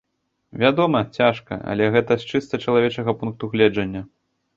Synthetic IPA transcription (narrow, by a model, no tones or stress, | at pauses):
vʲad̪ɔmɐt͡sʲaʂkɐ̰ʔɐ̰lʲɛɣɛt̪ɐst͡ʂɨst̪ɐt͡ʂɐlˠavʲɛt͡ʂɐɣɐpunk̚t̪uɣlʲɛd͡ʐɐnʲːɐ